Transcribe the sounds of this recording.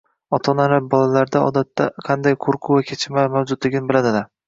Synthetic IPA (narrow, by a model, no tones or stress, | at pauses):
ɒt̪ʰɒnalabɒlalaɾd̪aɒ̰d̪at̪ʰːaqʰɑnd̪ajqʰoɾqʰʊvakʲʰet͡ʃʰɪmamawzʊd̪lɪɡʲɪnɪbɪlad̪ɪlaɾ